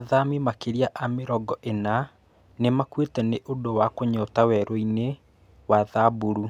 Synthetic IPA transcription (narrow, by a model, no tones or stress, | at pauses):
ðamimakeɾiaʔameɾɔɡɔʔena | nemakwetɛneʔodowakoɲɔːtawɛɾoine | waðabuɾu